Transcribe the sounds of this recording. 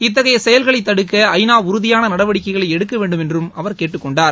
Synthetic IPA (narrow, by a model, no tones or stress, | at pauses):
ɪt̪̬ːɐɣɐjɐsɛjɐlɣɐɭɐɪt̪ːɐɽɯkːɐɐɪnaːʊɾʊðɪjaːnɐnɐɽɐʋɐɽɪkːɐɪɣɐɭɐɪɛɽɯkːɐʋeːɳɖɯmɛndrɯmɐʋɐɾkeːʈːɯkːɔɳɖaːɾ